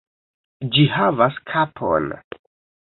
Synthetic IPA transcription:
d͡ʒihavaskʰapʰo̰n

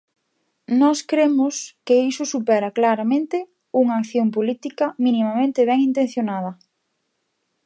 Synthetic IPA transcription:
nɔskɾemʊskeisʊsupɛɾɐklaɾamẽnt̪ɪ | uŋɐaːkθjompolit̪ikɐminimamẽnt̪ɪβɛŋint̪ẽn̟θjonað̞ɐ

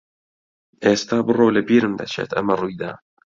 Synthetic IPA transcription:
ʔeːst̪aːbɨroːwlɐbiːɾɨmd̪ɐ̰t͡ʃʰḛːt̪ʰɐ̰mɐrujd̪a̰ː

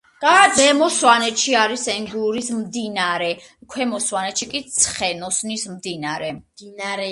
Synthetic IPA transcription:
d̪̥ad̪ɛmɔswanɛt̪ʃiaɾisɛŋɡuuɾismd̪inaɾɛ | kʰwɛmɔswanɛt̪ʃikʼit̪sʰχɛnɔsnismd̪inaɾɛɾ

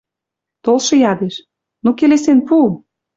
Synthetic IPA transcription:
t̪olʃɤ̆jɑd̪eʃ | nokelesenpu

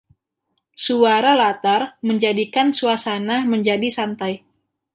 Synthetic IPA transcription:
suaɾalat̪arməɲd͡ʒadikansuasanahməɲd͡ʒadisant̪aj

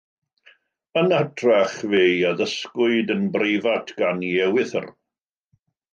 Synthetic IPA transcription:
ənadraχvejaðəskwʊɨdənbrejvatʰɡ̥aniɛwɪθə̰r

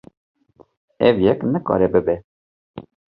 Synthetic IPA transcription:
ɛvjɛknɨkɑ̰ːɾɛbɨbɛ

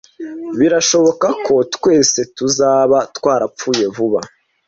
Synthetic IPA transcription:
βiɾaʃo̞βo̞kakʰo̞tkwe̞ːse̞tuzaːβatwaːɾapp͡ffuːje̞vuβa

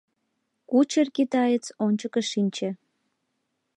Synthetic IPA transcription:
kut͡ɕərkit̪ɑjət͡sonʲt͡ɕəkə̆ʃinʲt͡ɕĕ

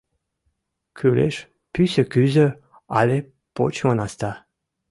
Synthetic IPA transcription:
kʰylḛʃ | pysəkyzə | a̰le | po̰t͡ɕmonast̪a

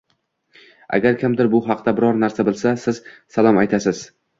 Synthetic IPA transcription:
a̰ɡʲaɾkʲʰɪmd̪ɪɾbʊɦɑqd̪abɪɾɒɾnaɾsabɪlˠsasɪz̥salˠɒmajt̪ʰasɪz̥

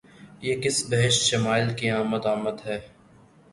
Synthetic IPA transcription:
jeːkɪsbɐɦɪʃt̪ʃɐmaːɪlkiaːmət̪aːməd̪ɦɛː

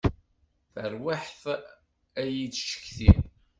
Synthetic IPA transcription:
θəɾwaħθ | æjit͡sʃə̥kːθi

